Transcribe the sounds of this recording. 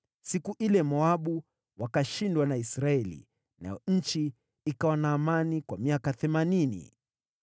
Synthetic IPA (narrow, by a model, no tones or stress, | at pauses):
sikuʔilɛmɔaɓu | wakaʃindwanaisɾaɛlḭ | na̰jɔɲ̩t͡ʃiː | kawanaːmanikwamiakaθɛmaninḭ